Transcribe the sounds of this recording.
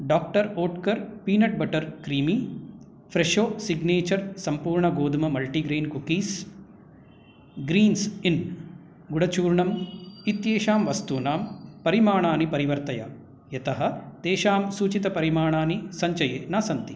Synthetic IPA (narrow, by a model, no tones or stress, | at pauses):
ɖaːk̚ʈɐɾoːʈkɐɾpiːnɐʈ̚bɐʈɐɾkɾiːmi | pʰɾeʃoːsiɡneːt͡ʃɐɾsɐmpuːɾɳɐɡoːd̪umɐmɐlʈiɡɾeːnkukiːs | ɡɾiːnsin | ɡuɽɐt͡ʃuːɾɳɐmit̪jeːʃaːmʋɐst̪uːnaːmpɐɾimaːɳaːnipɐɾiʋɐɾt̪ɐjɐ̰ | jɐt̪ɐɦɐ̆t̪eːʃaːmsuːt͡ʃit̪ɐpɐɾimaːɳaːnisɐɲt͡ʃɐjeːnaːsɐnt̪i